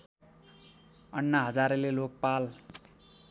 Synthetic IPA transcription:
ʌnːaɦʌd͡zaɾelelok̚pal

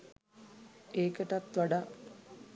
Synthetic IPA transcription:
eːkəʈat̪ʋaɖa

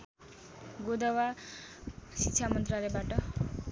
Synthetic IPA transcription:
ɡod̪ʌwa | sitsʰamʌnt̪ralebaʈʌ

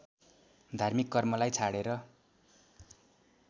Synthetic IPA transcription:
d̪ʱarmikːʌrmʌlajt͡sʰaɽeɾʌ

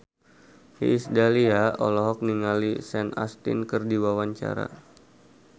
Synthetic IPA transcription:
hḭːsdaliaɔlɔɦɔk̚niŋalisɛna̰st̪ḭnkɨrdiwawaɲt͡ʃa̰ɾa̰

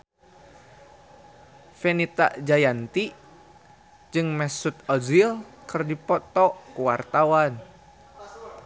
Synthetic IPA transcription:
fɛnit̪a̰ʔd͡ʒajant̪i | d͡ʒɨŋmɛsut̪ɔzilkɨrdipɔt̪ɔʔkuwart̪awan

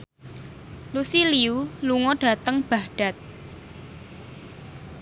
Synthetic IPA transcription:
lusiliuluŋɔɖ̥ä̤t̪əŋb̥a̤hɖ̥a̤t̪̚

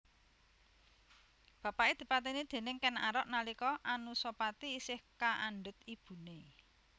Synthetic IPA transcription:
b̥ä̤paʔed̪̥i̤pat̪inid̪̥e̤nɪŋkɛna̰ɾɔʔnalikɔʔanusopat̪iːsɪhkaʔaɳɖʊ̤t̪̚ib̥ṳne

